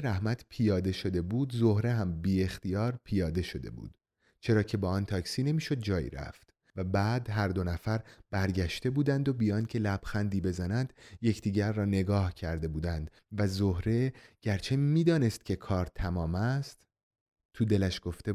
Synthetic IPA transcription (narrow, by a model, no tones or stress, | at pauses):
ɾæhmæt̪ʰpʰijɒːd̪e̞ʃo̞d̪e̞buːd̪zo̞hɾe̞ɦæmbiːe̞xt̪ijɒːɾpʰijɒːd̪e̞ʃo̞d̪e̞̰bṵːd̪̥ | t͡ʃʰe̞ɾɒːcʰe̞bɒːɒːnt̪ʰɒːcsiːne̞miːʃo̞d̪̚d͡ʒɒːjḭːɾæ̰ft̪ | væbæːd̪ɦæɾd̪o̞næfæɾb̥æɾɟæʃt̪e̞buːd̪ænd̪o̞bijɒːnd̪cʲʰe̞læb̥xænd̪iːbe̞zænænd̪̥je̞cʰd̪̥iːɟæɾːɒːne̞ɡɒːhcʰæɾd̪e̞buːd̪ænd̪ | væzo̞hɾe̞ɟ̥æɾt͡ʃʰe̞miːd̪ɒːne̞st̪cʲʰe̞kʰɒːɾt̪ʰæmɒːmæst̪ | t̪ʰːud̪e̞læʃɡ̥o̞ft̪e̞